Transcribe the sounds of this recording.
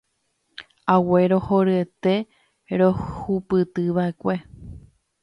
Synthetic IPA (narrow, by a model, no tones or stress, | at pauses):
awe̞ɾo̞hoɾɨe̞t̪e̞ | ɾohupɨt̪ɨʋae̞kʷe̞